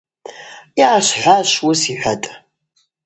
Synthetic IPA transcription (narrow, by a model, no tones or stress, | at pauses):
iʕaɕħʷaːɕwʊsiħʷatʼ